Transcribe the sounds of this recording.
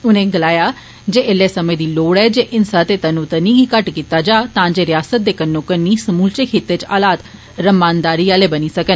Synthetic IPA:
ʊnẽːɡəlaːjaː | d͡ʒeːɪleːsəmẽːd̪iːloːɽɛːd͡ʒeːʔɪnsaːt̪eːt̪ənũːt̪ənĩːɡikəʈkiːt̪aːd͡ʒaːt̪ãːd͡ʒeːɾɪjaːsət̪̚d̪eːkənːõːkənːiːsəmuːlt͡ʃeːkʰeːt̪eːt͡ʃa̰ːlaːt̪ | ɾəmaːnd̪aːɾiːaːleːbəniːsəkən

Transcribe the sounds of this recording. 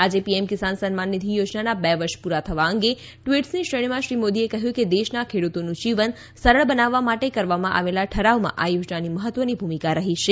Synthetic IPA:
ad͡ʒepiemkɪsansənmanːid̪ʱijod͡ʒnanabɛʋəɾʃpuɾat̪ʰəʋaəŋɡe | ʈʋiʈsniʃɾəɽ̃imãʃɾimod̪iekəɦjũked̪eʃnakʰeɽut̪onũd͡ʒiʋən | səɾəɭbənaʋːamaʈekəɾʋamãʔa̰ʋelaʈʰəɾaʋmã̰ʔajod͡ʒnaniməɦət̪ʋənibʱumikaɾəɦiʃe

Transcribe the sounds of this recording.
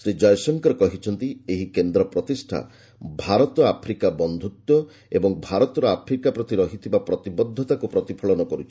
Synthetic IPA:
sɾed͡ʒɔjsɔŋkɔɾɔkɔɦit͡ʃʰɔnt̪ieɦikend̪ɾɔpɾɔt̪isʈʰa̰ | bʱaɾɔt̪ɔapʰɾikabɔnd̪ʱut̪jɔ | ebɔŋbʱaɾɔt̪ɔɾɔapʰɾikapɾɔt̪iɾɔɦit̪ʰibapɾɔt̪ibɔd̪ʱːɔt̪akupɾɔt̪ipʰɔɭɔnɔkɔɾut͡ʃʰi̥

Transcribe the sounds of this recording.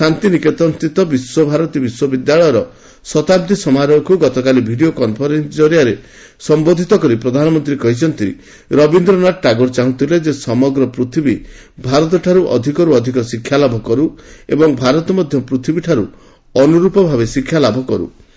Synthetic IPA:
sant̪iniket̪ɔnst̪ɾit̪ɔbiswɔbʱaɾɔt̪ibiswɔbid̪jaɭɔjɔɾɔ | sɔt̪ab̚d̪isɔmaɾɔkuɡɔt̪ɔkalibʱiɖiokɔmpʰɔɾensd͡ʒɔɾjaɾe | sɔmbod̪ʱit̪ɔkɔɾipɾɔd̪ʱanɔmɔnt̪ɾikɔɦit͡ʃʰɔnt̪i | ɾɔbind̪ɾɔnaʈʈaɡuɾt͡ʃaɦũt̪ʰiled͡ʒesɔmɔɡɾɔpɾut̪ʰibi | bʱaɾɔt̪̬ɔʈʰaɾuʔɔ̰d̪ʱikɔɾuɔd̪ʱikɔsikʰːjalabʱɔkɔɾuebɔŋbʱaɾɔt̪ɔmɔd̪ʱjɔpɾut̪ʰibiʈʰaɾu | ɔnuɾupɔbʱabesikʰːjalabʱɔkɔɾṵ

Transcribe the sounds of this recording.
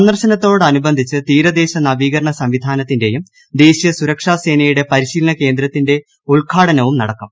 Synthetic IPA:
nɐrɕɐnɐt̪ːo̞ːɽɐnubɐnd̪ʱit͡ɕːɨt̪iːɾɐd̪e̞ːɕɐnɐʋiːɣɐɾɐɳɐsɐmʋid̪ʱaːnɐt̪ːinde̞jum | d̪e̞ːɕijɐsuɾɐkʂaːse̞ːnɐjuɽe̞pɐɾiɕiːlɐnɐke̞ːnd̪ɾɐt̪ːinde̞ | uɭkʰaːɽɐnɐʋumnɐɽɐkːɐm

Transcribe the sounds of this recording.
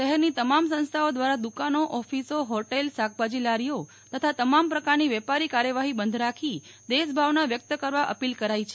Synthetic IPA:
ʃəɦɛɾnit̪əmamsə̃ñst̪ʰaod̪ʋaɾad̪ukanoʔɔfisoɦɔʈelsak̚pad͡ʒilaɾijo | t̪ət̪ʰat̪əmampɾəkaɾniʋɛpaɾikaɾjəʋaɦibənd̪ʱɾakʰi | d̪eʃbʱaʋnaʋjək̚t̪əkəɾʋaʔəpilkəɾait͡ʃʰe

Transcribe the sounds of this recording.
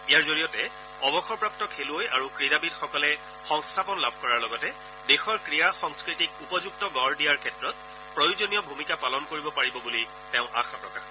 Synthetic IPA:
ijaɹzoɹijɔtɛ | ɔbɔxɔɹpɹaptɔkʰeluojʔaɹukɹidabidxɔkɔlɛ | xɔŋstʰapɔnlabʱkɔɹaɹlɔɡɔtɛ | dexɔɹkɹijaxɔŋskɹitik̚upɔzuk̚tɔɡɔɹdijaɹkʰɛtɹɔt̚ | pɹojuzonijɔbʱumikapalɔnkoɹibɔpaɹibɔbuli | tɛʊ̃ʔa̰kʰapɹɔkax

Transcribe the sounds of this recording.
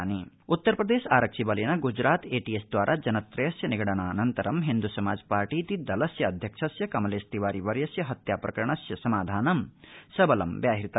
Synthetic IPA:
ni | ut̪ːɐɾpɾɐd̪eːʃaːɾɐkʂibɐljɐnɐɡud͡ʒɾaːt̪eːʈiesd̪ʋaːɾʔaːd͡ʒɐnɐt̪ɾɐjɐsjɐniɡɐɽɐɳaːnɐnt̪ɐɾɐmɦind̪usɐmaːd͡ʒpaːɾʈiːt̪id̪ɐlɐsjɐːd̪ʱjɐkʂʰɐsjɐkɐmleːst̪iʋaːɾiʋɐɾjɐsjɐɦɐt̪jaːpɾɐkɐɾɐɳ̃ɐsjɐsɐmaːd̪ʱaːnɐmsɐbɐlɐ̰mʋjaːɦiɾit̪ɐ

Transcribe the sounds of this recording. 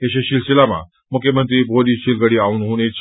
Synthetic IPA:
eɕeɕilsilama̰ | mukʰjəmənt̪ɾiːbʱoliːɕilɡəɽiːaunɦunet͡s

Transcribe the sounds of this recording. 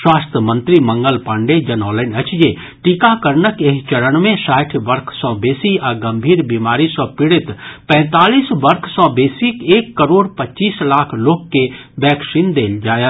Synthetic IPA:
swaːst̪ʰjəmə̃nt̪ɾimə̃ŋɡəlpaɳɖed͡ʒɐnɔːlənət͡ʃje | ʈikakəɾnəkeɦt͡ʃəɾəɽ̃mẽsaːʈʰʋəɾkʰsɔ̃ːbeːsiaɡɐ̃mbʱiːɾbimaːɾisɔ̃pɪɽɪt̪pɛ̃ːt̪aːliːsʋɐɾkʰsɔ̃ːbeːsikeːkːəɾoːɽpətːt͡ʃiːslaːkʰloːɡkebɛːkʃiːnd̪eːld͡ʒaːje

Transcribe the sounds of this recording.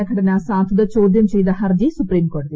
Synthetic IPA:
ɐkʰɐɽɐnasaːt̪ʰud̪ɐt͡ʃoːd̪jɐmt͡ʃejd̪ɐɦɐɾd͡ʒisupɾiːmkoːɾʈd̪i

